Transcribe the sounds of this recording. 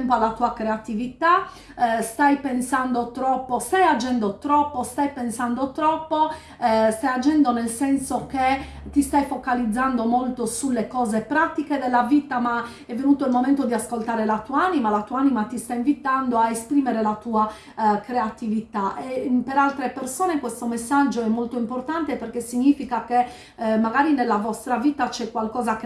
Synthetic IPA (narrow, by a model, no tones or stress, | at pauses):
ɛmpoalːat̪uakɾeat̪ivit̪a | st̪ajpensand̪ot̪ɾɔpːost̪ajad͡ʒɛnd̪ot̪ɾɔpːost̪ajpensand̪ot̪ɾɔpːo | st̪ajad͡ʒɛnd̪onelsɛnsoke | t̪ːist̪ajfokalid̪zːand̪omolt̪osulːekɔːzepɾat̪iked̪elːavit̪ama | ɛvːenuːt̪oilmomɛnt̪od̪iaskolt̪aːɾelat̪uaanimalat̪uːaanimat̪ist̪aiɱvit̪and̪oaespɾiːmeɾelat̪uːa | kɾeat̪ivit̪aʔɛpeɾalt̪ɾepersɔːnekwest̪omesːad͡ʒːoɛmːolt̪oimport̪ant̪eperkesiɲːiːfikake | mːaɡaːɾinelːavɔst̪ɾaviːt̪at͡ʃɛkːwalkɔːzak